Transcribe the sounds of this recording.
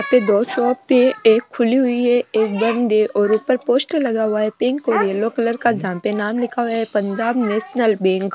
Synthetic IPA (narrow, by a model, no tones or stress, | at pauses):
apt̪ed̪oːt͡ʃɔːp̚teeːkʰːʊliɦʊiɦɛeːk̚bɐ̃nd̪eʔɔːɾʊpəɾpoːsʈlɐɡaɦʊaɦɛpẽŋkːoɾieloːkələɾkad͡ʒaãːpenaːmlɪkʰaʋaɦɛpɐ̃ɲd͡ʒaːbneːʃnəlbɛ̃ːŋk